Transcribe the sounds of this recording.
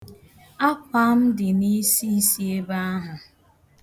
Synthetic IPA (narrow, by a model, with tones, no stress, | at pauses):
a˦k͡pa˦m̩˦dɪ˨ni˦si˦si˦e˦ba˦a˦ɦʊ˨